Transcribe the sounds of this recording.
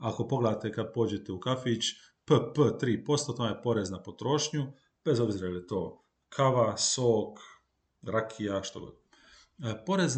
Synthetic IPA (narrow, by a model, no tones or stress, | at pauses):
ako̞po̞ɡle̞d̪at̪ekad̪̚po̞ːd͡ʑe̞t̪eukafit͡ɕ | pəpət̪ɾiːpo̞st̪at̪ːmaepo̞ɾe̞znapo̞t̪ɾo̞ʃɲu | b̥e̞zo̞bziːɾaeljet̪o̞ː | kʰaʋasoːk | ɾakʰijaʃt̪oɡo̰t̪ | po̞ɾez